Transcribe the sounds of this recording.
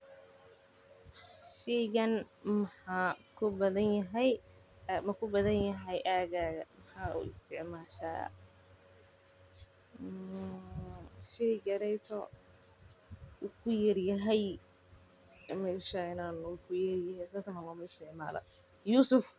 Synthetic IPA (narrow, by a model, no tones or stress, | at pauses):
ʃɛjɣɐnmɐħaːkʰʊbɐðɐnjɐɦɛj | mɐkʰʊbɐðɐnjɐɦɛjʔaːɣaːɣɐmɐħaːṵːɪ̰st̪ʰɪʕmaːʃa̰ː | ʃɛjɡɐɾɛjt̪ʰɔ̰ | ukʰʊjɐrjɐɦɛj | mɛːʃaɪnaːnʊkʰʊjɐrjɐɦɛsaːsɐmawamɐɪst̪ʰɪʕma̰ːlɐ̰ | juːsʊf